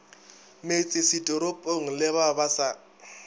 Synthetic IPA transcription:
met͡sʼɪsɪtʼɔɾʊpʼoŋ̩lɪβabasa

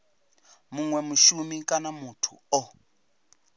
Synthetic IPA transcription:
muŋwɛmuʃumikʼanamutʰuɔ

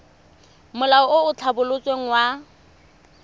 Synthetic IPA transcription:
mʊlaɔʊʊt͡ɬʰabʊlʊt͡sʼweŋ̩wa

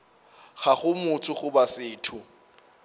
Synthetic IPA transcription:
χaχʊmʊt͡sʰʊχʊbasɪːtʰʊ

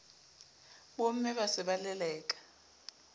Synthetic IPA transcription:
ɓom̩mɛɓasɛɓalɛlɛːk̬ʼḁ

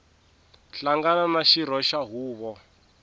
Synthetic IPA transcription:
ɬaŋɡanamaʃiɾɔʃaɦuːβɔ

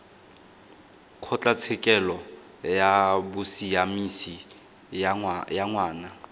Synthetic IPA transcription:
kʰɔt͡ɬʼat͡sʰɪkʼɛlɔ | jabʊsijamisi | jaŋwaːna

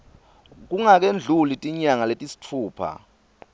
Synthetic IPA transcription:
k̬uŋak̬end͡ɮʱulitʼiɲaŋaletʼisi̥t͡fʰuːpʰa̰

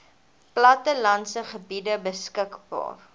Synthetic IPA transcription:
plɐtəlɐnsəχəbidəbəskəkbɑ̰ːr

